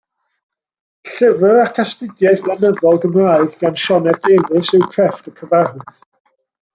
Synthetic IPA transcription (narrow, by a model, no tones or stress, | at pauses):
ɬɪvəɾakʰastɪɡjaɨθlˠanəðɔlˠɡəmraɨɡɡ̥anʃɔnɛeðɨsɨwkʰrɛftəkʰəvarɨθ